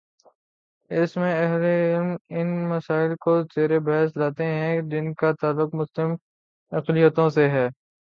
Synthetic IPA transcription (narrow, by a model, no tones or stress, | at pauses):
ɪsmẽɐɦleɪlmɪnmɐsaːɪlkozeːɾebɛɦslaːt̪eɦɛ̃d͡ʒɪnkat̪aːlːʊqmʊslɪm | ɐqlɪjət̪õseɦɛː